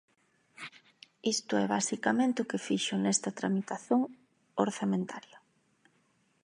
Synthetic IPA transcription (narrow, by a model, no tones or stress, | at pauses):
ist̪ʊɛβasikamẽnt̪ɪʊkefiʃʊnɛst̪ɐt̪ɾa̰mit̪aθoŋ | oɾθamẽnt̪ʰaljɐ